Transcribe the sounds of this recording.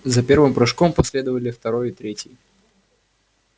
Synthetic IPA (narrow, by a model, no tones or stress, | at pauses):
zɐpʲe̞rvɨmpɾɨʂkompɐsʲlʲe̞d̪əvəlʲɪft̪ɐɾojɪt̪ɾʲetʲjɪ